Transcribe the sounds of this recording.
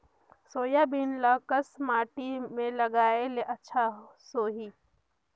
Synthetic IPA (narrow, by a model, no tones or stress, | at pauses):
soːjabinlaːkəsmaːʈimẽlɐɡaːeleʔɐtːʃʰa | soːɦiː